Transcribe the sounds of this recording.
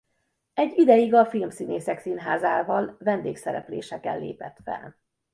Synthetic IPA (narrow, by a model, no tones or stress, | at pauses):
ɛɟːid̪ɛjiɡɒfilmsineːsɛksinɦaːzaːvɒlvɛnd̪eːksɛɾɛ̰plḛːʃɛkɛ̰lːḛːpɛt̪fɛ̰l